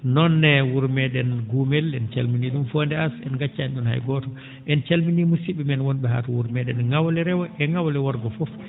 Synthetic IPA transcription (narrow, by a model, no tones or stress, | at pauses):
nɔnːɛwuɾmɛɗɛnɡumɛlɛnt͡ʃa̰lminiɗumfondɛasɛ̰nɡat͡ʃːaɛnɗunha̰jɡɔtɔ | ʔɛnt͡ʃalminimusiɓɛmɛnwɔnɓɛɦa̰ːtɔwuɾmɛɗɛnŋawlɛɾɛwɔʔɛŋawlɛwɔɾɡɔfɔf